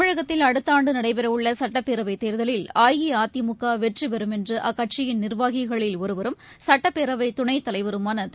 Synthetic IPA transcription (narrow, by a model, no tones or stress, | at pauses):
ɪɻɐɣɐt̪ːɪlɐɽɯt̪ːaːɳɖɯnɐɽɐɪpɛɾɐʋɯɭːɐsɐʈːɐpːeːɾɐʋɐɪt̪ːeːɾðɐlɪlaːjɣiaːt̪ːɪmʊkːaːʋɛʈriʋɐɾɯmɛndrɯʔɐkːɐʈ̚t͡ʃɪjɪnnɪrʋaːɣɪɣɐɭɪlɔɾɯʋɐɾɯm | sɐʈːɐpːeːɾɐʋɐɪt̪ʊɳɐɪt̪ːɐlɐɪʋɐɾɯmaːnɐt̪